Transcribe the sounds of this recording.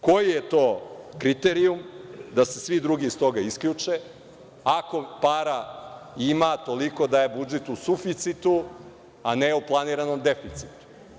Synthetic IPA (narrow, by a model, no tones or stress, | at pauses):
ko̞jije̞t̪o̞ːkɾit̪eɾiumd̪asesʋid̪ɾuɡiːst̪o̞ɡaiskʎʲut͡ʂe | ako̞paɾaimat̪o̞liko̞d̪aje̞bud͡ʒet̪usufit̪sit̪u | aneuplˠaniɾano̞md̪efit̪si̥t̪u̥